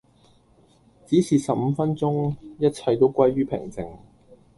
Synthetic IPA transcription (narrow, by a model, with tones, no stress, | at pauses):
t͡siː˨˥siː˨˩sɐ˨p̚m̩˨˧˦fɐ˥nt͡sʊ˥ŋjɐ˥t̚t͡sʰɐ˧jt̪o˥wkʷwɐ˥jɥyː˥pʰɪ̰˨˩ŋt͡sɪ˨˩ŋ